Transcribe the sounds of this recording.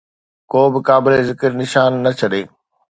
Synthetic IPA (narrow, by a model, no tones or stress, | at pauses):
koːbɪkaːbɪlezɪkəɾnɪʃaːnːɐt͡ɕʰɐɗeː